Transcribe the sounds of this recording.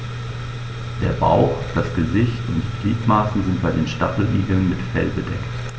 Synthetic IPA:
d̥eːɐba̰ʊxd̥asɡ̥əzɪçtʊntːɡliːtmaːsn̩zɪnt̚b̥aɪdeːnʃtafl̩ʔiːɡl̩nmɪtfɛlbədɛkt

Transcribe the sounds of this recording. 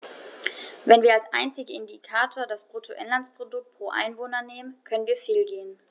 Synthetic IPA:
vɛnviːɐalsʔaɪnt͡sɪɡəɪndikʰaːtʰoːɐdasb̥ʁ̥otʰoʔɛnlanspʁ̥odʊk̚t̚pʁ̥oːʔa̰ɪnvoːnɐneːmənkʰœnənviːɐfeːlɡeːən

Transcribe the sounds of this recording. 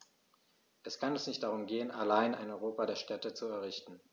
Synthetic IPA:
ʔɛskʰanɛsnɪçt̚d̥aʁʊmɡeːənʔa̰laɪna̰ɪnɔʏʁoːpadeːɐʃtʰɛtət͡suɛɐʁ̞ɪçtn̩

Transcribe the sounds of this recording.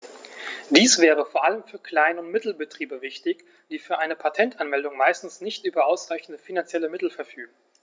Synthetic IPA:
d̥iːsv̥ɛːʁ̞əfoːɐʔaləmfyːɐkʰl̥aɪnəʊntmɪtl̩bətʁ̥iːbəvɪçtɪç | d̥iːfyːɐʔaɪnəpʰatʰɛntʔanmɛldʊŋmaɪstn̩snɪçtʔyːbɐʔaʊsʁaɪçn̩dəfinant͡sjɛləmɪtl̩fɛɐfyːɡŋ̩

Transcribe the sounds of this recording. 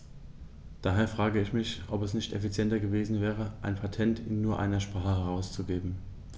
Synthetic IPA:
d̥aːɦeːɐfʁ̥aːɡəɪçmɪçʔɔpɛsnɪçtɛfit͡sjɛntɐɡəveːzn̩vɛːʁəʔaɪnpʰatʰɛntʰɪnːuːɐʔa̰ɪnɐʃpʁ̥aːχəəʁaʊst͡suɡeːbm̩

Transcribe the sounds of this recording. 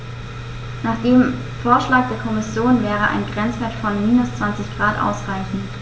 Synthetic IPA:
naːχd̥eːm | foːɐʃlaːk̚d̥eːɐkʰɔmɪsjoːnvɛːʁəʔa̰ɪnɡʁɛnt͡sv̥eːɐtfɔnmiːnʊst͡sv̥ant͡sɪçɡ̥ʁaːtʔa̰ʊsʁaɪçn̩

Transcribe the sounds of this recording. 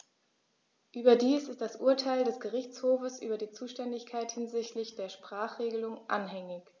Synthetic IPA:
ʔyːbɐdiːsɪstd̥asʔuːɐtʰaɪldɛsɡ̥əʁɪçt͡shoːfəsʔy̰ːbɐdiːt͡suːʃtɛndɪçkʰaɪthɪnzɪçtlɪçd̥eːɐʃpʁ̥aːχʁ̥eːɡəlʊŋʔa̰nɦɛŋɪç

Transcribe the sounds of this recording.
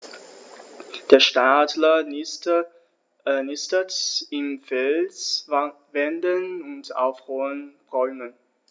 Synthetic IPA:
d̥eːɐʃtaːdlɐ | nɪstətɪmfɛls | vɛndənʊnta̰ʊfʁɔːənʁɔʏmən

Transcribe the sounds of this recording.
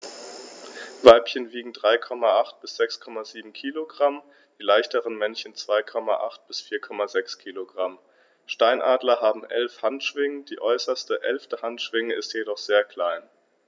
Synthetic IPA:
vaɪpçənviːɡŋ̩dʁaɪkʰɔmaʔaχt̚b̥ɪsz̥ɛkskʰɔmaziːbm̩kʰiːloɡʁam | d̥iːlaɪçtəʁənmɛnçən̩t͡sv̥aɪkʰɔma̰ʔa̰χt̚b̥ɪsfiːɐkʰɔmazɛkskʰiːloɡʁam | ʃtaɪnʔaːdlɐɦaːbm̩ʔɛ̰lfhantʃv̥ɪŋəd̥iːʔɔʏsɐstəʔɛ̰lftəhantʃv̥ɪŋəɪstjedɔχz̥eːɐkʰl̥aɪn

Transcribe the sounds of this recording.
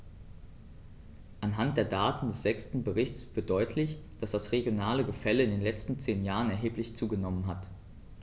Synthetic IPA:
ʔanɦant̚d̥eːɐdaːtn̩dɛsz̥ɛkstn̩bəʁɪçt͡sfɪɐt̚d̥ɔʏtʰlɪçd̥asd̥asʁeɡjonaːləɡəfɛləɪndeːnlɛt͡stn̩t͡seːnjaːʁ̞ənɛɐɦeːplɪçt͡suːɡənɔmənɦat

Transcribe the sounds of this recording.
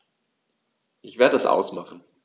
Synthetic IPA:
ʔɪçv̥eːɐdədasʔa̰ʊsmaχn̩

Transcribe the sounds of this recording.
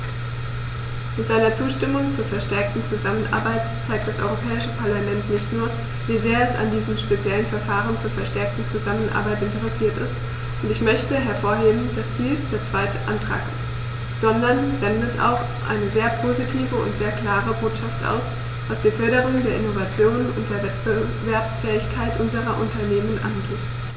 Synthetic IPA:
mɪtz̥aɪnɐt͡suːʃtɪmʊŋt͡suːɐfɛɐʃtɛɐk̚tn̩t͡suzamənʔa̰ɐbaɪtt͡saɪk̚td̥asʔɔ̰ʁopʰɛːɪʃəpʰaɐlamɛntnɪçtnuːɐ | viːzeːɐɛsa̰ndiːzəmʃpet͡sjɛlənfɛɐfaːʁənt͡suːɐfɛɐʃtɛɐk̚tn̩t͡suzamənʔa̰ɐbaɪtɪntəʁɛsiːɐtɪst | ʔʊntɪçmœçtəɦɛɐfoːɐɦeːbm̩dasd̥iːsd̥eːɐt͡sv̥aɪtəʔa̰ntʁ̥a̰ːkɪst | z̥ɔndɐnzɛndəta̰ʊx | ʔa̰ɪnəzeːɐpʰozitʰiːvəʊ̰ntz̥eːɐkl̥aːʁəboːtʃaftʔa̰ʊs | v̥asd̥iːfœɐɾəʁ̞ʊŋdeːɐʔɪnovat͡sjoːnʊ̰nt̚d̥eːɐvɛtb̥ə | vɛɐpsfɛːɪçkʰaɪtʔʊnzəʁɐʔʊntɐneːmənʔa̰nɡeːt

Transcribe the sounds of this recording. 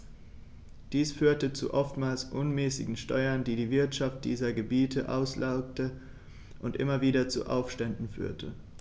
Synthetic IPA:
d̥iːsfyːɐtət͡sṵʔɔftmaːlsʔʊnmɛːsɪ̰ɡŋ̩ʃtɔʏɐndiːdiːvɪɐtʃaft̚d̥ḭːzɐɡəbiːtʰəʔa̰ʊslʔaʊktə | ʔʊntʔɪ̰mɐviːdɐt͡sṵʔa̰ʊfʃtɛndn̩fy̰ːɐtʰə

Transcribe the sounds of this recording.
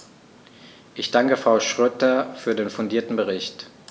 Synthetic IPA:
ʔɪçd̥aŋkəfʁ̥aʊʃʁ̥øtɐfyːɐdeːnfʊndiːɐtn̩bəʁɪçt

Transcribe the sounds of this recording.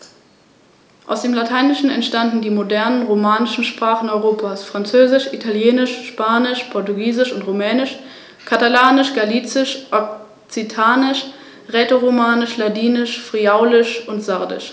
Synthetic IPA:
ʔa̰ʊsd̥eːmlatʰaɪnɪʃn̩ɛ̰ntʃtandn̩diːmodɛɐnənʁomaːnɪʃn̩ʃpʁ̥aːχn̩ɔʏʁoːpʰaːsfʁ̥ant͡søːzɪʃʔitʰaljeːnɪʃʃpaːnɪʃpʰɔɐtuɡiːzɪʃʊntʁomɛːnɪʃ | kʰatalaːnɪʃɡ̥aliːt͡sɪʃʔɔk̚ | t͡sitʰaːnɪʃ | ʁeːtoʁomaːnɪʃladiːnɪʃfʁ̥iaʊlɪʃʊntz̥aɐdɪ̰ʃ

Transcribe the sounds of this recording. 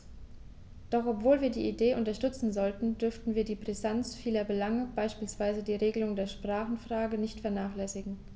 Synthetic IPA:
d̥ɔχʔɔpv̥oːlviːɐdḭːʔideːʔʊntɐʃtʏt͡sn̩zɔltn̩dʏɐftn̩viːɐdiːpʁ̥ɛzant͡sfiːlɐbəlaŋəb̥aɪʃpiːlsv̥aɪzədiːʁeːɡəlʊŋdeːɐʃpʁ̥aːχn̩fʁ̥aːɡənɪçtfɛɐnaːχlɛsɪɡŋ̩

